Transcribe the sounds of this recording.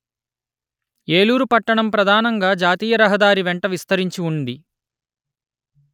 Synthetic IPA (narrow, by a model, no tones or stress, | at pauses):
eːluːɾupɐʈːɐɳɐmpɾɐd̪ʱaːnɐŋɡaːd͡ʒaːt̪iːjɐɾɐɦɐd̪aːɾiʋeɳʈɐʋist̪ɐɾiɲt͡ʃiuɳɖi